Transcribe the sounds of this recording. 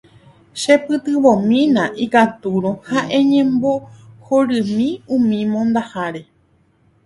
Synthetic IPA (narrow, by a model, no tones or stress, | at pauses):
ʃepɨt̪ɨʋõmĩnãʔikat̪uɾõhaʔẽɲẽ̞mbo̞hoɾɨmĩũmĩmõnd̪ahaɾe̞